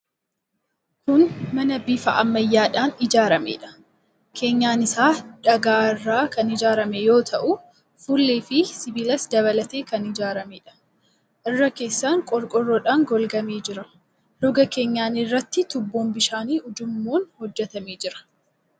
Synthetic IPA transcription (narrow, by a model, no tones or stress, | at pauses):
kʊnmɐnɐbiːfɐʔɐmːɐjːaːᶑaːnɪd͡ʒaːɾɐmḛːᶑɐ̥ | kʰe̞ːɲːaːnɪsaːᶑɐɡaːɪrːaːkɐnɪd͡ʒaːɾɐmɛjo̞ːt̪ʰɐʔʊ | fulːeːfɪsɪbɪlɐsd̪ɐβɐlɐt̪e̞ːkɐnɪd͡ʒaːɾɐmeːᶑɐ̥ | ʔɪrːɐke̞ːsːaːŋkʼɔɾkʼɔrːɔᶑaːŋɡɔlɡɐmeːd͡ʒɪɾɐ | lɔɡɐke̞ːɲːaːnɪrːɐt̪ːɪt̪ʊbːoːmbɪʃaːniːʊd͡ʒʊmːoːnhɔd͡ʒːɛt̪ɐmeːd͡ʒɪɾɐ̥